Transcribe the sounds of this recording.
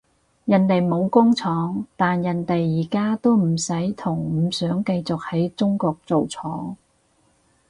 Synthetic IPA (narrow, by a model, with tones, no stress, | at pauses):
jɐ˨˩nt̪e˨jmo˨˧wkʊ˥ŋt͡sʰɔː˨˥ŋt̪aː˨njɐ˨nt̪e˨jːiː˨˩kaː˥t̪o˥wm̩˨˩sɐ˨˥jt̪ʰʊ˨˩ŋm̩ː˨˥sœː˨˥ŋkɐ˧jt͡sʊ˨k̚hɐ˨˥jt͡sʊ˥ŋkɔː˧k̚t͡so˨wt͡sʰɔː˨˥ŋ